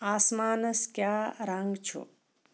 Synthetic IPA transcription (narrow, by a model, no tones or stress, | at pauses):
aːsmaːnɐskjaːɾaŋɡt͡ʃʰo̰